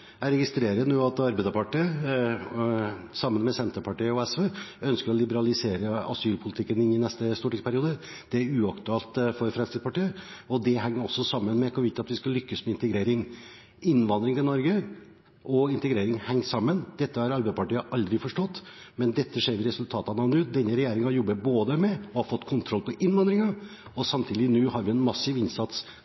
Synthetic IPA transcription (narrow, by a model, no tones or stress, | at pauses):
æɾɛɡɪst̪ɾeːɾənuːɑt̪ɑɾbæɪd̪əpʰɑʈiə | sɑmːənmɛsɛnt̪əɾpʰɑʈiːəɔɛsʋeːœnskəɾɔlɪbəɾɑlɪseːɾəɑ̰syːlpʰʊlɪt̪ʰɪkːənɪnːɪnɛst̪əst̪uːʈɪspʰæɾɪuːd̪ə | d̪̥ɛæɾʉːɑkt̪ʉɑːlt̪fɔɾfɾɛmst̪ɪd̪spʰɑʈiːəɔd̪ɛɦɛŋːəɾɔsːɔsɑmːənmɛkʰɔʋɪt̪ɑt̪ʋɪskɑlːʏkːəsmɛɪnt̪əɡɾeːɾɪŋ | ɪnːʋɑnd̪ɾɪŋt̪ɪnɔɾɡə | ʔɔɪnt̪əɡɾeːɾɪŋhɛŋːsɑmːənd̪̥ɛt̪ːəhɑɾɑɾbæɪəpʰɑʈiːəʔɑld̪ɾɪfɔʂʈɔt̪ːmɛnd̪ɛt̪ːəʂeːɾʋɪɾɛsʉlt̪ʰɑːt̪ɑnɑnʉːd̪ɛnːəɾɛjeːɾɪŋɑjɔbːəboːd̪əmɛɔhɑɾfɔt̪ːkʰʊnt̪ʰɾɔlpʰɔʔɪnʋɑnd̪ɾɪŋɑɔsɑmt̪ʰiːd̪ɪnʉːhɑɾʋɪɛnmɑsːɪʋɪnsɑt̪s